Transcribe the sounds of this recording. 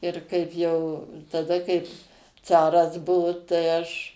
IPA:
ɪr ˈkɐɪp jɛʊ tɐˈdɐ kɐɪp ˈt͡sɑːrɐs ˈbʊʋoː tɐɪ ˈɐʃ

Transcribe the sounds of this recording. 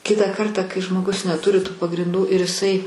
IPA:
ˈkʲɪtɑː ˈkɐrtɑː kɐɪ ʒmoːˈɡʊs nʲɛˈtʊrʲɪ tuː pɐɡrʲɪnˈduː ɪr ɪˈsɐɪ

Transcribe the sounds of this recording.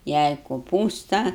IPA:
ˈjɛɪ koːˈpuːstɐ

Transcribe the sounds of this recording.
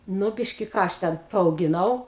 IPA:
ˈnʊ ˈbʲɪʃʲkʲɪ ˈkɑː ɐʃ ˈtʲɛn pɐɐʊɡʲɪˈnɐʊ

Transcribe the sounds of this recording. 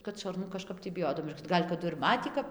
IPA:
kɐt ʃɐrˈnʊ kɐˈʃkɐp tʲiː bʲɪˈjoːdɐw ˈɡɐlʲ kɐˈdʊ ɪr ˈmɑːtʲiː kɐp

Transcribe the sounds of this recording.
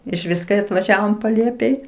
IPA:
ɪʃʲˈʋʲɪs kɐɪ ɐtʋɐˈʒʲæːʋoːm pɐˈlʲeːpʲeːj

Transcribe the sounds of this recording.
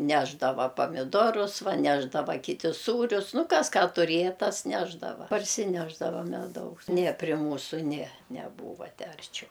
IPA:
ˈnʲæːʒdɐʋɐ pɐmʲɪˈdoːrʊs ˈʋɐ ˈnʲæːʒdɐʋɐ kʲɪˈtʲɪ ˈsuːrʲʊs ˈnʊ ˈkɐs ˈkɑː tʊrʲeːjɛ ˈtɐs ˈnʲæːʒdɐʋɐ pɐrʲsʲɪˈnʲæːʒdɐʋɐ mʲɛˈdɐʊs nʲiɛ pʲrʲiɛ ˈmuːsʊ nʲiɛ nʲɛˈbuːʋɐ ˈtʲæː ɐrʲˈt͡ʃʲɛʊ

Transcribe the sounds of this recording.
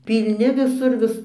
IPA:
pʲiːlʲˈnʲɪ ʋʲɪˈsʊr ˈʋʲɪs

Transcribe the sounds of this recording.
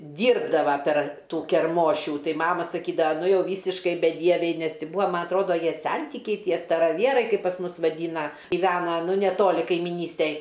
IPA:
ˈdʲiːrbdɐʋɐ pʲɛr ˈtuː kʲɛrˈmoːʃʲuː ˈtɐɪ ˈmɑːmɐ sɐˈkʲiːdɐʋɐ ˈnʊ ˈjɛʊ ˈʋʲiːsʲɪʃkɐɪ bʲɛˈdʲiɛʋʲɛɪ ˈnʲɛs ˈtʲɪ ˈbʊɐ ˈmɐ ɐtˈroːdoː ˈjiɛ ˈsʲɛnʲtʲɪkʲɛɪ ˈtʲiɛ stɐrɐˈʋʲiɛrɐɪ kɐɪp pɐs ˈmʊs ʋɐˈdʲiːnɐ ɡʲɪˈʋʲæːnɐ ˈnʊ nʲɛˈtoːlʲɪ kɐɪmʲɪˈnʲiːsʲtʲɛj

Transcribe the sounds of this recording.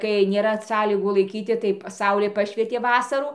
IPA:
kɐɪ nʲeːˈrɐ ˈsɑːlʲiːɡuː lˠɐɪˈkʲiːtʲɪ tɐɪ ˈsɐʊlʲeː ˈpɑːʃʲʋʲiɛtʲeː ˈʋɑːsɐruː

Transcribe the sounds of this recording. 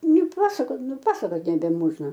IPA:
nʊˈpɑːsɐkoːt nʊˈpɑːsɐkoːt nʲɛbʲɛˈmoːʒnɐ

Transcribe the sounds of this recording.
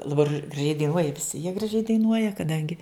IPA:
lˠɐˈbɐr ɡrɐˈʒʲɛɪ dɐɪˈnuɔjɛ ʋʲɪˈsʲɪ jiɛ ɡrɐˈʒʲɛɪ dɐɪˈnuɔjɛ kɐˈdɐŋʲɡʲɪ

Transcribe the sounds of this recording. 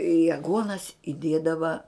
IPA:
ɪ ɐˈɡuɔnɐs ɪˈdʲiɛdɐʋɐ

